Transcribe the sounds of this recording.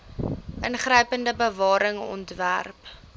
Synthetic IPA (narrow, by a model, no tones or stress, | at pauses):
ʔənχrəjpəndəbəvɑːɾəŋɔ̰ntvæ̰rp